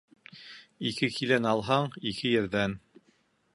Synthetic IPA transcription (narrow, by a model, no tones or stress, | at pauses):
ikɘkʰilænɑlˠɦɑɴikʰɘjɘ̆ɾðæn